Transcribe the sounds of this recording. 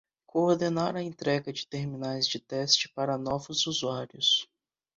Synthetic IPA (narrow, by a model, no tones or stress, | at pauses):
kʰoːɾd̪enaɾɐẽnt̪ɾɛɡɐd͡ʒɪt̪eɾmĩnajzd͡ʒɪt̪ɛst͡ʃɪ̥paɾɐnɔvʊzuzuaɾjʊs